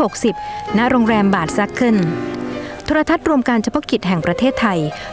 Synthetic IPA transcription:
ho˨˩k̚si˨˩p̚na˦˥ʔɾoː˧ŋɾɛː˧mbaː˨˩t̪̚sa˦˥kʰːɯ˥˩n | t̪ʰoː˧ɾa˧t̪ʰa˦˥t̪̚ɾu˧əmka˧nt͡ɕʰa˧pʰɔ˦˥ki˨˩t̪̚ɦɛ˨˩ŋpɾa˧t̪ʰeː˥˩t̪ʰːa˧j

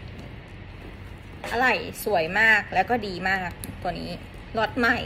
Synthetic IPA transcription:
ʔa˧ɾa˧˩jsu˨˩˦əjmaː˥˩k̚lɛː˦˥wkɔː˥˩diː˨˩maː˥˩k̚t̪ɔː˧˩˨nḭː˦˥ | lo˦˥t̪̚ma˥˩j

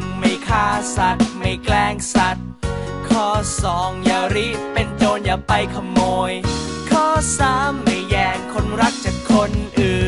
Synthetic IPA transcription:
ma˧˩jkʰaː˧˩sa˨˩t̪̚ma˧˩jklɛː˧ŋsa˨˩t̪̚ | kʰɔː˧˩sɔː˨˦ŋjaː˧˩ɾi˦˥pe˧nt͡ɕoː˧njaː˨˩pa˧jkʰa˧moː˧j | kʰɔː˧˥˩saː˧˥mːa˧˩jjɛː˧˩ŋkʰo˧nɾa˦˥k̚t͡ɕaː˨˩kʰːo˧nʔɯː˨˩

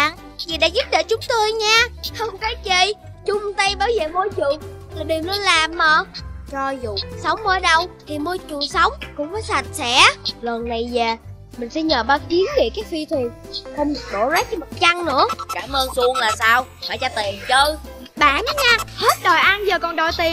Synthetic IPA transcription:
ɓa̰ː˧˨n | zi˨˩ɗa̰ː˧˥zu˦˥t̚ɗe˧˩t͡ɕʊ˨˦ŋ͡mt̪o˧əjɲaː˧hə˧wŋ͡mkaː˨˦t͡ɕi˧˩ | t͡ɕʊ˧ŋ͡mt̪ə˧jɓaː˧˩wzəː˨˩mo˧ət͡ɕu˨˩ | a˨˩ɗi˨˩əwnə˧˦laː˨˩mʔəː˨˩t͡ɕɔ˧zṵ˧˨sə˨˦wŋ͡mməː˧ɗə˧wt̪ʰi˨˩mu˧t͡ɕu˨˩sə˨˦wŋ͡mkʊ̰˧˥ŋ͡mfaː˨˦jsa˨˩t̚sɛ̰˧˥lə˨˩nna˨˩jzaː˨˩ | mï̟˨˩sɛ̰˧˥ɲəː˨˩ɓaː˧˩ɗi˨˦ənve˧˩kaː˦˥k̚fi˧t̪ʰwi˨˩ənxə˧wŋ͡m̚ɗo̰˧˦zaː˦˥t̚t͡ɕɔ˧mə˨˩t̚t͡ɕa˧ŋnɨ̰˧˥əkaː˧˩mʔəː˧nsu˧əŋlaː˨˩saː˧w | hɔ˧˨˩jt͡ɕaː˧t̪i˨˩nt͡ɕəː˧j | ɓaː˧˨na˨˦ɲaː˧he˦˥t̚ɗo˨˩jʔa˧nzəː˨˩kɔ˨˩nɗɔ˨˩jt̪i˨˩ə

